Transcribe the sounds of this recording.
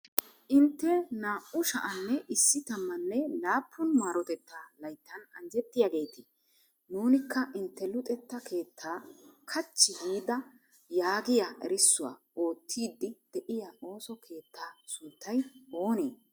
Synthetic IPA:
ʔɪnt̪ːɛnaːʔʊʃɐʔɐnːɛʔɪsːɪt̪ɐmːɐnːɛlaːpʰːʊnmaːɾɔt̪ɛt̪ːaːlɐjt̪ːɐnɐ̰nd͡ʒɛt̪ːɪjaɡe̞ːt̪ɪ | nuːnɪkːɐʔɪnt̪ːɛlʊt̪ʼɛt̪ːɐkʰe̞ːt̪ʰːaːkʰɐt͡ʃːɪhiːd̪ɐ | jaːɡɪjaʔɛ̰ɾɪsːʊwa̰ʔo̞ːt̪ʰːiːd̪ːɪd̪̥ɛʔɪjao̞ːsɔkʰe̞ːt̪ʰːaːsʊnt̪ːɐjo̞ːnḛː

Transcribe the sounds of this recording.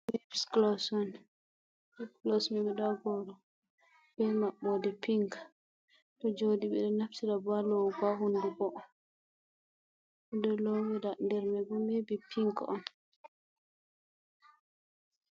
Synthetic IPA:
mebisklɔsɔn | klɔsmɛɓɛɗɔɡɔɾɔ | b̥ɛmaɓːɔdɛpiŋkḁ | tɔd͡ʒodiɓɛɗɔnaftidabalɔwɡaɦunduɡɔʔɔ | ɛdɔlɔwɛdandɛɾmɛbɔmebipʰiŋkɔn

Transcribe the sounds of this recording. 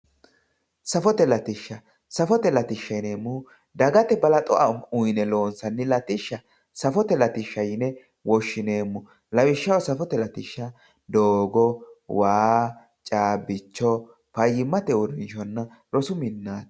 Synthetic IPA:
sɐfɔt̪ɛlɐt̪ɪʃːɐ | sɐfɔt̪ɛlɐt̪ɪʃːɐjneːmːu | d̪ɐɡɐt̪ɛbɐlɐt̪ʼɔʔɐʊjnɛlo̞ːnsɐnːɪlɐt̪ɪʃːɐ | sɐfɔt̪ɛlɐt̪ɪʃːɐjɪnɛ | wɔʃːɪne̞ːmːʊ | lɐwɪʃːɐwɔsɐfɔt̪ɛlɐt̪ɪʃːɐ | d̪oːɡɔwaː | t͡ʃʼaːbɪt͡ʃːɔ | pɐjɪmːɐt̪ɛwɔɾɪnʃɔnːɐ | ɾɔsʊmɪnːaːt̪

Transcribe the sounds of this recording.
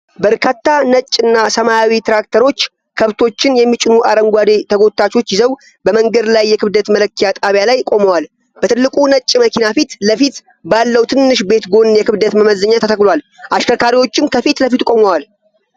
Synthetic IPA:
bəɾkʰat̪ːanət͡ʃʼːɨnːasəmajawit̪ʰɾak̚t̪ʰəɾo̞t͡ʃː | kʰəβt̪ʰo̞t͡ʃːɪnjɛmːit͡ʃʼɪnuʔaɾəŋɡʷad̪et̪ʰəɡo̞t̪ʰːat͡ʃo̞t͡ʃːjɪzəw | bəməŋɡəd̪lajːɛkʰɨβd̪ət̪mələkʰːijat̪ʼaβjalajkʼo̞məwal | b̥ət̪ʰɨlːɨkʼunət͡ʃʼːməkʰinafit̪ləfit̪ | balːəwt̪ʰɨnːɨʃ̬be̞t̪ɡo̞njɛkʰɨβd̪ət̪məməzːəɲːat̪ʰət̪ʰəkloal | ʔaʃkʰəkʰaɾiwo̞t͡ʃːɪmkʰəfit̪ləfit̪kʼo̞məwal

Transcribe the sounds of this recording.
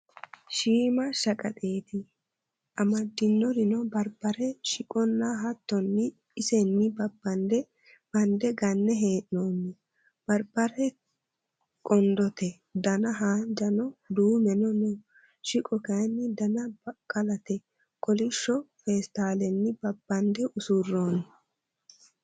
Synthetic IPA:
ʃiːmɐʃɐkʼɐt̪ʼe̞ːt̪ɪ | ʔɐmɐd̪ːɪnːɔɾɪnɔbɐɾbɐɾɛʃɪkʼɔnːɐɦɐt̪ːɔnːɪ | ɪsɛnːɪbɐbːɐnd̪ɛ | b̥ɐnd̪ɛɡɐnːɛɦeːʔnoːnːɪ | b̥ɐɾbɐɾɛ | kʼɔnd̪ɔt̪ɛ | d̪ɐnɐɦaːnd͡ʒɐnɔd̪uːmɛnɔnɔ | ʃɪkʼɔkɐjnːɪd̪ɐnɐkʼɐlɐt̪ɛ | kʼɔlɪʃːɔfeːst̪aːlɛnːɪbɐbːɐnd̪ɛʔʊsurːoːnɪ

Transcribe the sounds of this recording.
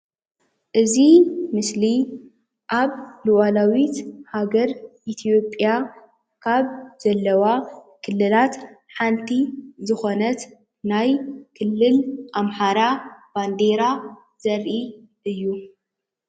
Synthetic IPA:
ʔɨzimɨsli | ʔaβluwalawit̪haɡɐɾʔit̪ʰijo̞pʼja | kʰaβz̥ɐlːɐwa | kʰɨlːɨlat̪ħant̪ʰizɨxo̞nɐt̪ | najkʰɨlːɨlʔamħaɾab̥and̪eɾa | z̥ɐɾʔi | ʔɨjːu

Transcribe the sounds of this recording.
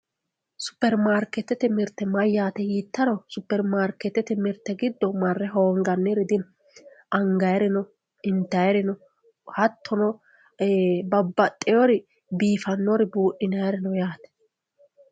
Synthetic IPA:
sʊ̥pːɛɾmaːɾkɛt̪ːɛt̪ɛmɪɾt̪ːɛmɐjːaːt̪ɛjiːt̪ːɐɾɔsʊpːɛɾmaːɾkɛt̪ːɛt̪ɛmɪɾt̪ːɛɡɪd̪ːɔmɐrːɛɦoːŋɡɐnːɛɾɪd̪ɪn | ʔɐŋɡɐjɾɪnɔ | ɪnt̪ːɐjɛɾɪnɔ | hɐt̪ʰːɔnɔ | bɐbːɐt̪ʼːɛjɔɾɪ | biːfɐnːɔɾɪbuːʔɪnɐjɾɪnɔjaːt̪ɛ̥

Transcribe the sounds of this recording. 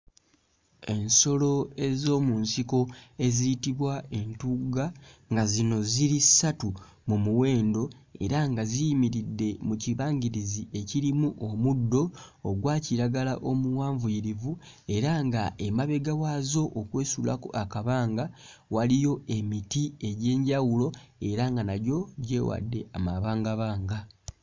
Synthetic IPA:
e̞nso̞lo̞e̞zo̞ːmuːnsiko̞e̞ziitiβwae̞ntuɡaŋɡazino̞ziɾisatu | mumuwe̞ːndo̞e̞̰ɾaŋɡazijimiɾidːe̞muciβaːɲɟiɾizie̞ciɾimuʔomudːo̞ː | ɡwaːciɾaɡala̰ʔomuwaːɱvujiɾivu | e̞ɾaŋɡae̞maβe̞ɡawaːzo̞ʔokwe̞ːsula̰ko̰ʔakaβaːŋɡa | walijo̞e̞mitie̞ɟe̞ːɲɟawulo̞e̞ɾaŋɡanaɾjo̞ɟe̞̰ːwa̰dːe̞a̰maβaːŋɡaβaːŋɡa

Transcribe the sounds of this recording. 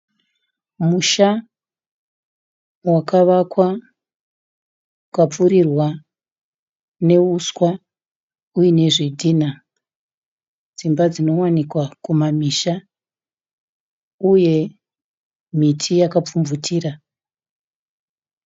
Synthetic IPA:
muʃa | wakaʋakwa | ukap͡fuɾirwa | ne̞uskwa | ujine̞ʐidʱina | d͡zimbad͡zino̞wanikwakumamiʃa | uje̞ | mitʰijakap͡fumvutʰiːra

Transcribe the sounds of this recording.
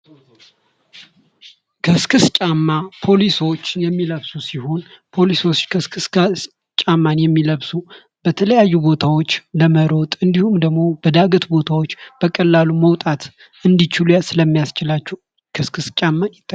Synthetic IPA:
kʰəskʰɨst͡ʃʼamːapʰo̞liso̞t͡ʃːjɛmːiləβsusiho̞npʰo̞lisot͡ʃːkʰəskʰɨss | t͡ʃʼamːanjɛmːiləβsu | b̥ət̪ʰələjajːubo̞t̪ʰawot͡ʃːləməɾo̞t̪ʼɨnd̪ihumd̪əɡmo̞bəd̪aɡət̪bo̞t̪ʰawo̞t͡ʃːb̥əkʼəlːaluməwt̪ʼat̪ | ʔɨnd̪it͡ʃɪlujasɨləmːijast͡ʃɪlat͡ʃːɛw | kʰɨskʰɨst͡ʃʼamːanjɪt̪ʼːə

